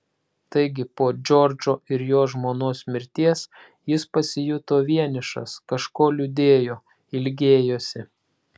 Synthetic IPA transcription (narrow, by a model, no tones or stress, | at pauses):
t̪ɐɪɡʲɪpoːd͡ʒʲɔɾʲd͡ʒoːʔɪɾjoːʒmoːnoːsmʲɪɾʲt̪ʲiɛs | jɪspɐsʲɪjʊt̪oːʋʲiɛnʲɪʃɐ̰skɐʃkoːlʲʊd̪ʲeːjoː | ɪlʲɡʲeːjoːsʲɪ